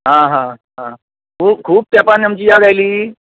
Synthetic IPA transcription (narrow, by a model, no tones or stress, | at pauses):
ɦãɦãɦã | kʰuːkʰuːb̚t̪apanamt͡ɕiːjaɡajliː